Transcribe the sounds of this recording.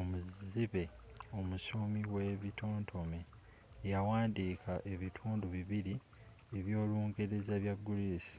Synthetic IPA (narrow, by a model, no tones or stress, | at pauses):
omuziβe̞ | o̞musumiweβitʰo̞ːntʰo̞meː | jawaːndiːkʰaʔe̞βitʰuːnduβiβiɾi | eβjo̞ːluːŋɡeɾe̞zaβjaɡːuliːsi̥